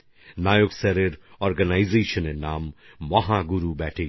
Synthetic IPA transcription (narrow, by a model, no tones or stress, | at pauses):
naːjoksɛɾeɾɔːɾɡənaːɪzeːʃənenaːmː | ɐɦãːɡʊɾubɛːʈʰe